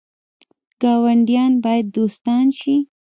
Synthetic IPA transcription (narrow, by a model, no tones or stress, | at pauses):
ɡ̥ɑwaɳɖijɑnbɑjad̪ːost̪ɑnʃi